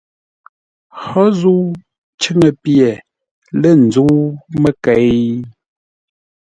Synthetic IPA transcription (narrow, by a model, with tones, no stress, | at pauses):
xɔ˦zu˦ | t͡ʃə˦ŋə˨pjɛ˨ | lə˦˨n̩˨d͡zu˦mə˦kɛ˨